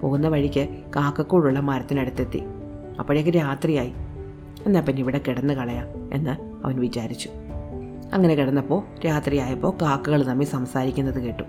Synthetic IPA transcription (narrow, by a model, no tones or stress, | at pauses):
poːɣunːɐʋɐɻikʲːɨkaːkːɐkːuːɻuɭːɐmɐɾɐt̪ːinɐɽut̪ːet̪ːḭ | ɐpːɐɽejokːeɾaːt̪rijaːji | e̞nːaːlpinːeiʋiɽe̞kiɽɐnːɨkɐɭɐjaːe̞̰nːɨ | ɐ̰ʋɐnʋit͡ɕaːɾit͡ɕːu̥ | ɐ̰ŋːɐne̞kiɽɐnːɐpːo̞ːɾaːt̪rijaːjɐpːo̞ːkaːkːuɣɐɭnɐmːisɐmsaːɾikʲːunːɐðɨkeːʈːu